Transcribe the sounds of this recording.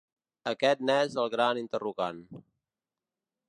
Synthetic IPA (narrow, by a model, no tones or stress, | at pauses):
əkɛt̪̚nɛzəlˠɣɾanint̪əruɣan